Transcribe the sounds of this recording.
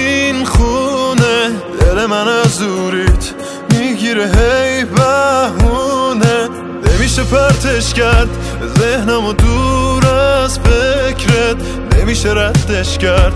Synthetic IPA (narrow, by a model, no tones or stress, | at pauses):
inxuned̪̥elemænæzuɾit̪ | miɡiɾeɦejbæhune | nemiːʃepʰæɾt̪ʰeʃkæɾd̪ | zehnæmod̪uɾæzfecʰɾed̪ | nemiːʃeɾæd̪ːeʃcæɾd̪̥